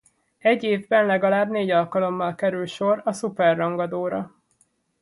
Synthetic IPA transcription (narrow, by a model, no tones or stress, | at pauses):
ɛɟːeːvbɛnlɛɡɒlaːbneːɟɒlkɒlo̞mːɒlkɛɾylʃo̞rɒsupɛrːɒŋɡɒd̪oːɾɒ